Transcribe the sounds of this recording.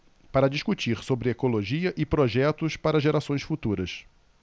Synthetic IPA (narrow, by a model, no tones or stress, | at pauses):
paɾɐd͡ʒiʃkut͡ʃiɾsobɾɪekoloʒiɐʔɪpɾoʒɛt̪ʊspaɾɐʒeɾasõj̃sfut̪uɾɐs